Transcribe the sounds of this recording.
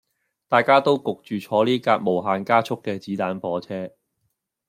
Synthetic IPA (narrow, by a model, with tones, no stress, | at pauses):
t̪aː˨jkaː˥t̪o˥wkʊ˨k̚t͡ʃyː˨t͡ʃʰɔː˨˥liː˥kaː˧k̚mo˨˩wɦaː˨˧nkaː˥t͡ʃʰʊ˥kːɛː˧t͡siː˨˥t̪aː˨˥npɔː˨˥t͡sʰɛː˥